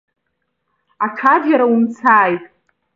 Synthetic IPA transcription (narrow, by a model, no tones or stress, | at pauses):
atʰadjaɾaumt͡sʰaːjtʼ